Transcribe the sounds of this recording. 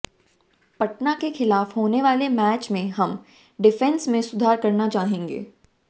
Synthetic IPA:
pɐʈnakexɪlaːfɦoːneʋaːlemɛːt͡ʃmẽɦɐm | ɖɪfɛ̃nsmẽsʊd̪ʱaːɾkɐɾnat͡ʃaːɦẽːŋɡḛː

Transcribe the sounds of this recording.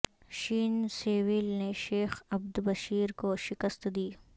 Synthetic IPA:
ʃiːnseːwilneʃeːxɐbd̪bɐʃiːɾkoʃɪkəst̪d̪iː

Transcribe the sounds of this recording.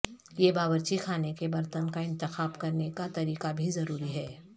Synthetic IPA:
jebaːʋəɾt͡ʃikʰaːnekebɐɾt̪ənkaɪ̃nt̪ɪxaːbkɐɾnekat̪ɐɾiːqabʱizɐɾuːɾiɦɛː

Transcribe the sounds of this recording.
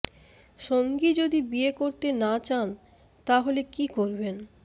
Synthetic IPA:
ʃoŋɡid͡ʑod̪ibiekoɾt̪enat͡ɕan | t̪aɦolekikoɾben

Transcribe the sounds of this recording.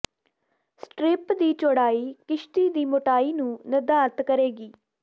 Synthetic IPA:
sʈɾɪpd̪iːt͡ʃoɽaːiːkɪʃʈ̪iːd̪iːmoʈaːiːnũːnəd̪aːɾt̪kəɾeːɡiː

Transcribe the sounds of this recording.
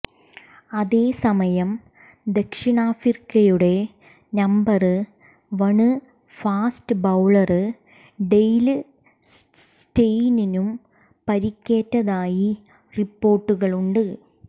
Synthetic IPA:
ɐðe̞ːsɐmɐjɐm | d̪ekʂiɳaːfirkːɐjuɽe̞ | nɐmbɐrɨ | ʋɐɳɨ | faːstɨbɐwɭɐrɨ | ɖejlɨ | stejninum | pɐɾikʲːe̞ːtːɐðaːji | ripːo̞ːrʈːuɣɐɭuɳɖɨ

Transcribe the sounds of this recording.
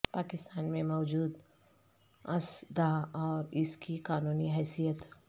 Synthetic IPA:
paːkɪst̪aːnmẽmɔːd͡ʒuːd̪ | ɐsd̪aɔːɾɪskikaːnuːniɦɛːsijət̪

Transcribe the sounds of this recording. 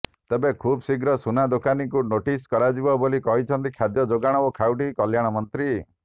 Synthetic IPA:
t̪ebekʰubsiɡɾɔsunad̪okanikunoʈiskɔɾad͡ʒibɔbolikɔɦit͡ʃʰɔnt̪ikʰad̪jɔd͡ʒoɡaɽ̃ɔokʰawʈikɔljaɽ̃ɔmɔnt̪ɾi

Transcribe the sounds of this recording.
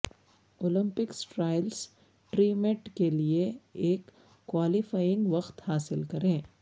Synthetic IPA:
oːlɪ̃mpɪksʈɾaːɪls | ʈɾiːmeʈkelieeːkː | waːlɪfaːjɪ̃ŋɡʋɐqt̪haːsɪlkɐɾẽː

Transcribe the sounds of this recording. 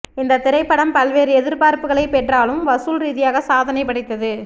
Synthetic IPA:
ɪnd̪ɐt̪ɪɾɐɪpːɐɽɐmpɐlʋeːɾɯɛðɪɾpaːɾpɯɣɐɭɐɪpɛʈraːlɯmʋɐsuːlɾiːðɪjaːɣɐsaːðɐnɐɪpːɐɽɐɪt̪ːɐðɯ

